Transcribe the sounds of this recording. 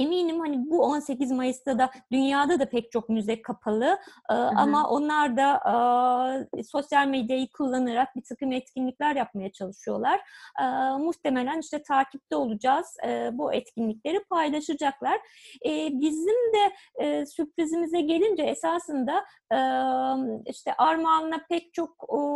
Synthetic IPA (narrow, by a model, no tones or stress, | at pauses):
emiːnimhanibuo̞nse̞cizmajɯst̪ʰad̪ad̪ynjaːd̪ad̪apʰɛct͡ʃʰo̞k̚myzɛjkʰapʰalˠɯɯːa̰maʔo̞nlˠaɾd̪aʔ | so̞sjalʲmɛd̪jajɯkʰulˠːanɯɾak̚bit̪ʰakɯmɛt̪cʰinlʲicʲlʲæɾjap̚majat͡ʃʰalˠɯʃɯjo̞̰lˠaɾ̥ɯːmuht̪ʰe̞me̞lʲæniʃt̪ʰɛt̪ʰaːcʰip̚t̪ʰɛo̞lˠud͡ʒaːz̥ɯbuɛt̪cʰinlʲiclʲe̞ɾipʰajlˠaʃɯd͡ʒaklˠaɾ̥ | ɛːbizimd̪ɛsypʲɾizimizɛɟe̞lʲind͡ʒɛesaːsɯnd̪a | iʃt̪ʰɛʔaɾmaːlˠɯnapɛc̚t͡ʃʰo̞kː